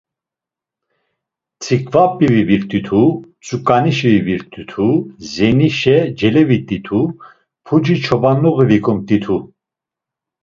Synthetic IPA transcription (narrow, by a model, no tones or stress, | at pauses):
t͡sʰikʼvapʼiviviɾt̪ʼit̪ʰut͡sʼukʼaniʃiviviɾt̪ʼit̪ʰuzɛniʃɛd͡ʒɛlɛvit̪ʼit̪ʰu | pʰud͡ʒit͡ʃʰɔbanɔɣivikʰɔmt̪ʼit̪ʰu